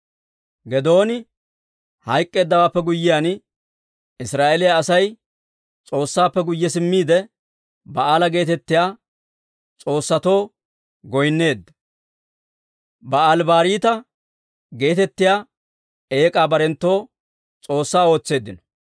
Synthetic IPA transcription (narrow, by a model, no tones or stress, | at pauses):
ɡɛd̪o̞ːnɪ | hɐjkʼːe̞ːd̪ːɐwaːpːɛɡʊjːɪjan | ɪsɾaːʔelɪjaːsɐj | t͡sʼo̞ːsːaːpːɛɡʊjːɛsɪmːiːd̪ɛ | bɐaːlɐɡe̞ːt̪ɛt̪ːɪjaː | t͡sʼo̞ːsːɐt̪o̞ː | ɡɔjnːe̞ːd̪ːɐ | bɐalbaːɾiːt̪ɐ | ɡe̞ːt̪ɛt̪ːɪjaː | e̞ːkʼaːbɐɾɛnt̪ːo̞ː | t͡sʼo̞ːsːaːo̞ːt͡sːe̞ːd̪ːɪnɔ̥